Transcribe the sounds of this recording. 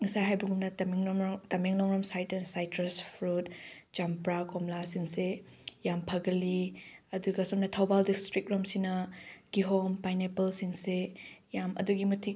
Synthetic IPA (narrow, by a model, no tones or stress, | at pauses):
ŋɐsajɦajbɐɡumnɐtɐmiŋtɐmeŋlɔŋɾɐmsajtɐnsajtɾɐspʰɾut̚d͡ʒampɾakɔmlasiŋse | jampʰɐɡɐliɐduɡɐsomnɐtʰɐwbaldistɾik̚ɾomsinɐɡ̥iɦompajnepɐlsiŋsejamʔɐ̰duɡimɐtʰik̚